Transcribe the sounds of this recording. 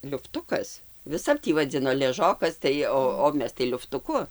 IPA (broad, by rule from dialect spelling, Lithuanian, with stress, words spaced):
lʲʊfˈtʊkɐs ʋʲɪˈsɐp ˈtʲiː ʋɐˈd͡zʲɪnoː lʲɛˈʒoːkɐs tɐɪ ˈoː oː ˈmʲɛs tɐɪ lʲʊftʊˈkʊ